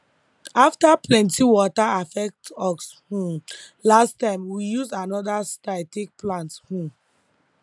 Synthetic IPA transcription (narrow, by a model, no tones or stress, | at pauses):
aftaplɛ̃ntiwɔtaafɛk̚tɔkshũn | lastãɪ̃mwijuzanɔdastaɪtek̚plãnthũm